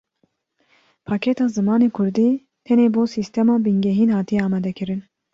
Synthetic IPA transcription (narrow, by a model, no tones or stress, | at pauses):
pʰɑːkʰɛt̪ɑːzɨmɑːneːkʰʊɾd̪iː | t̪ʰɛneːboːsiːst̪ʰɛmɑːbɨŋɡɛɦiːnhɑːt̪ʰijɛɑːmɑːd̪ɛkʰɨɾɨn